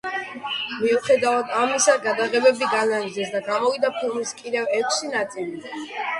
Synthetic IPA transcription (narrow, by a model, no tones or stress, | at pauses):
miuχɛd̪avad̪amisaɡad̪aʁɛbɛbiɡanad͡ʒd̪ɛsd̪aɡamɔvid̪apʰilˠmiskʼid̪ɛvɛkʷʰsinat̪sʼili